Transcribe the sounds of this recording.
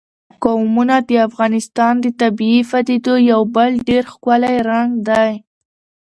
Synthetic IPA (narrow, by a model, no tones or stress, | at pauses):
kawmunad̪əafɣɑnɪst̪ɑnd̪ət̪abiifad̪id̪ojawbəlɖeɾxkalajɾaŋɡd̪aj